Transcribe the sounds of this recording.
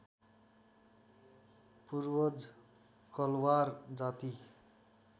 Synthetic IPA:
purwʌd͡z | kʌlward͡zat̪i

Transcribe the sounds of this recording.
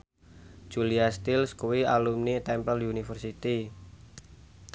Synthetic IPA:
d͡ʒ̥uliast̪ilskuwialumnit̪ɛmpəljunifərsit̪i

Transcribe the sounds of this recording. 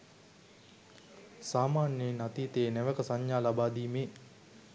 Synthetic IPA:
saːmaːnjenat̪iːt̪eːnɛʋəkəsaɲjaːlabaːd̪iːmeː

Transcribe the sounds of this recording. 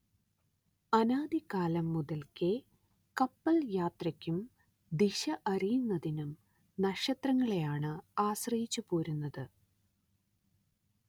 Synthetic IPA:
ɐnaːd̪ikaːlɐmːuðɐlkɨ | kɐpːɐljaːt̪rɐkʲːum | d̪iɕɐʔɐrijunːɐðinum | nɐʂɐt̪rɐŋːɐɭe̞jaːɳɨaːɕrɐjit͡ɕːupoːɾunːɐðɨ

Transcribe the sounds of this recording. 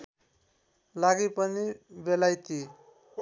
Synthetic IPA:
laɡipʌnibelajt̪i

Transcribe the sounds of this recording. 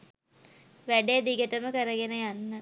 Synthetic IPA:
ʋæɖed̪iɡəʈəməkəɾəɡenəjanːə

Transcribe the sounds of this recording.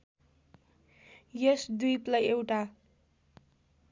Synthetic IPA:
jʌsd̪ujplajewʈa

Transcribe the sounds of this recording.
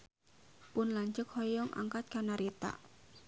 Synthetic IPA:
pʊnlaɲt͡ʃʊkhɔjɔŋʔa̰ŋkat̪̚kanaɾit̪a̰

